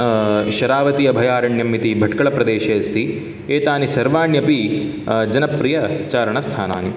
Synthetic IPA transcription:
ʃɐɾaːʋɐt̪iɐbʱɐjaːɾɐɳjɐmːit̪ibʱɐʈkɐɭɐpɾɐd̪eːʃɐːɐst̪i | eːt̪aːnisɐɾʋaːɳjɐpi | d͡ʒɐnɐpɾijɐt͡ʃaːɾɐɳɐst̪ʰaːna̰ːni

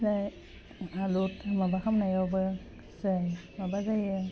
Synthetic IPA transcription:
zaj | alutmabakʰamnajawbɯ | zajmabazajɯ

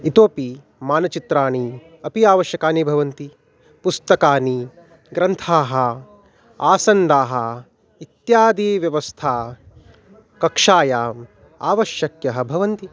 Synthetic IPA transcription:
it̪oːpi | maːnɐt͡ʃit̪ɾaːɳi | ɐpiaːʋɐʃjɐkaːnibʱɐʋɐnt̪i | pust̪ɐkaːni | ɡɾɐnt̪ʰaːɦɐ | aːsɐnɖaːɦɐ | it̪jaːd̪iːʋjɐʋɐst̪ʰaː | kɐkʂaːjaːm | aːʋɐʃjɐkjɐɦɐ̆bʱɐʋɐnt̪i

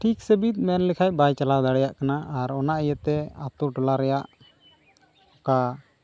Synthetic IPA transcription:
ʈʰiksəbit̪̚ˀmɛnlɛkʰac̚ˀbajt͡ʃalad̪aɽɛjaʔkanaaɾɔnaʔjət̪ɛat̪uʈɔlaɾɛjaʔ | hɔka

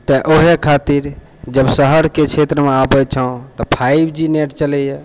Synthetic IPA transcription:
t̪əʔoɦekʰat̪iɾ | d͡ʒəbsəɦəɾket͡ʃʰet̪ɾəmeabət͡ʃʰə̃t̪ɔpʰaibʱd͡ʒineʈt͡ʃəlɛje

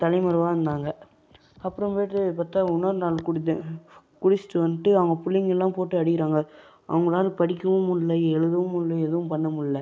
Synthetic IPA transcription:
t̪ɐlɐɪmɐɾɯʋaːɾɐnd̪aːŋɡɐ | ɐpːɯɾɐmpojʈːɐpaːɾt̪aːʊnɐɾnaːlkʊɽɪt̪ː | kʊɽɪt͡ʃːɪ̥ʈ̪ːɯʋɐnːɯʈːɯɐʋɐŋɡɐpʊlːɪŋɡɛlːãːpoːʈːɯɐɽɪkɪɾaːŋɡɐ | ʔɐ̰ʋɐŋɡɐɭaːlpɐɽɪkʲːɯmɯmʊnlɐɛɻɯðɯʋɯmʊnlɐɛðɯʋɯ̃mpɐɳːɐmʊɭlːɐ

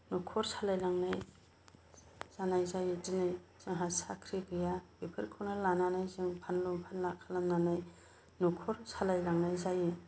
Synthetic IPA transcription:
nukʰɔɾsalajlaŋnaj | zanajzajɯzinɯjz̥ɯŋɦasakʰɾiɡɯjabipʰɯɾkʰɯnalananajzɯŋpʰanlɔmpʰanlakʰalamnanaj | nukʰɔɾsalajlaŋnajzaji

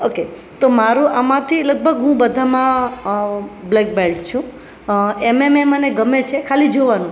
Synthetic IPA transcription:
oke | t̪omaɾũʔamãt̪ʰiləɡ̚bʱəɡɦũbəd̪ʱamã | blek̚belɖt͡ʃʰũ | emememəneɡəmet͡ʃʰekʰalid͡ʒoʋanũ

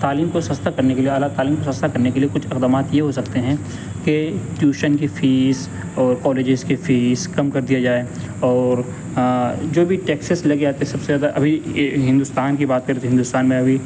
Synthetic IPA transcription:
t̪aːliːmkosɐ̃st̪akɐɾnekelieɦaːlaːt̪ːaːliːmkosɐ̃st̪ʰakɐɾnekeliekʊt͡ʃʰɪkd̪aːmaːt̪jeɦosɐkt̪eɦɛ̃ | keʈjuːʃənkifiːz | ɔːɾkɔːleːd͡ʒɪzkifiːzkɐmkɐɾd̪ijad͡ʒaːe | ɔːɾ | d͡ʒoːbʱiʈɛːksəslɐɡeaːt̪esɐbsezaːd̪aʔɐ̰bʱiɦɪ̃nd̪ʊst̪aːnkibaːt̪̚kɐɾɦɪnd̪ʊst̪aːnmẽɐbʱi

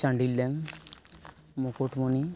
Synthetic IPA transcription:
t͡ʃaɳɖilːeŋ | mokoʈmoni

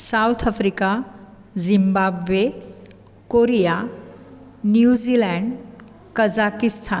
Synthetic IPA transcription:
sawt̪ʰafɾika | zimbabʋe | koɾija | njuzilɛ̃ɳɖ | kəd͡zakist̪ʰan

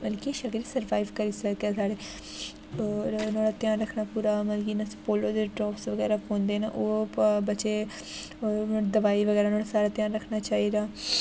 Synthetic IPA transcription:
məlkiʃəkɾisəɾʋaːiʋkəɾiːsəkaːsaːɽeː | nõːɽaːt̪jaːnɾəkʰnaːpuːɾaːməlkiːnaspoːloːd̪eɖɾɔːpsʋəɡɛːɾaːkõːnd̪eːna̰ʔoːbətːʃeː | od̪əʋaːiːʋəɡɛːɾaːnoːɽaːsaːɾaːt̪ɪjaːnɾəkʰːnaːt͡ʃaːiːd̪aː

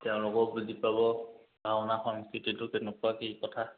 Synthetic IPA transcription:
tɛʊ̃lʊkɔbudʱipabɔ | ɡʱaʊnaxɔŋskɹititʊkenekuakikɔtʰa

